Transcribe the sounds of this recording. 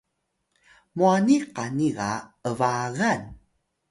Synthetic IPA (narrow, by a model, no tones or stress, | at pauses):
muaniqaniɣaəvaɣan